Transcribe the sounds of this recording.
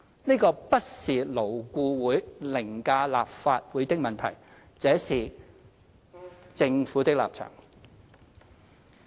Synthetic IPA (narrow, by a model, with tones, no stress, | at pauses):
niː˥kɔː˧pɐ˥t̚siː˨lo˨˩wkʷuː˧wuː˨˥jlɪ˨˩ŋkaː˧la̰ː˨p̚faː˧t̚wuː˨˥jt̪ɪ˥k̚mɐ˨nt̪ʰɐ̰˨˩j | t͡sɛː˨˥siː˨ | t͡sɪ˧ŋfuː˨˥t̪ɪ˥k̚la̰ː˨p̚t͡ʃʰœ̰ː˨˩ŋ